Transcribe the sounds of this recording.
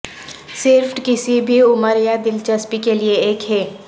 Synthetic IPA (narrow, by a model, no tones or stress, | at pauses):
sɪɾfʈkɪsibʱiʊməɾjad̪ɪlt͡ʃəspikelieeːkɦɛː